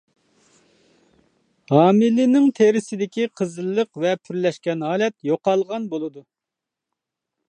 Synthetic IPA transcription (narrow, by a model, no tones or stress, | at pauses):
hɑːmɪlɪnɪŋt̪ʰeɾɪsɪd̪ɪkʲiqʰəzɨlˠːəqvɛpʰyɾlɛʃkʲɛnɦɑːlɛt̪joqɑlˠʁɑnbolˠɨd̪u